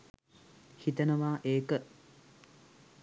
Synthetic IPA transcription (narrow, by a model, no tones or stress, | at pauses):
hit̪ənəʋaːʔeːkə